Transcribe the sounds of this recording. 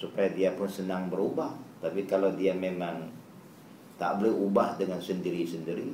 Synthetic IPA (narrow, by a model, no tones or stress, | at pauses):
supajadiapʊnsənaŋbəɾubaht̪apikalawdiamemaŋ | t̪a̰ʔbolɛɦubahdəŋansəndiɾisəndiɾi